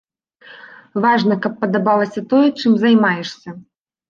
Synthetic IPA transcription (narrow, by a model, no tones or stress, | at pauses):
vaʐnɐkɐpːɐd̪abalˠɐsʲɐt̪ɔjɛt͡ʂɨmzɐjmajɛʂsʲɐ